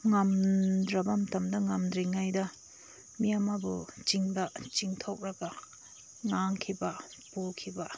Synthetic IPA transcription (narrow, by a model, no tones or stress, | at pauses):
ŋamdɾabɐmtamdɐŋamdɾiŋajdɐ | mijamabṵt͡ʃiŋbɐt͡ʃiŋtʰok̚ɾɐɡa | ŋaŋkʰiba | pukʰiba